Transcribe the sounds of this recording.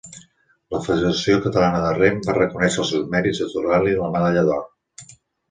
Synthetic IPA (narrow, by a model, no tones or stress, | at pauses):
ləfəðəɾəsiokət̪əlanəðərembarəkunɛʃəlˠsɛwzmɛɾizðət̪uraliləməðəʎəðɔ